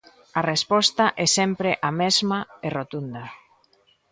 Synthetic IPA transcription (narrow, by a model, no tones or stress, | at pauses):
ɐrespɔst̪aʔɛsɛmpɾeʔamɛzmaerot̪und̪ɐ